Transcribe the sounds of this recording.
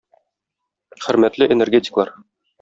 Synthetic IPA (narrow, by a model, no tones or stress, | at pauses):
χɘ̆ɾmæt̪lɘʔenerɡʲetʲɪ̥klˠɑɾ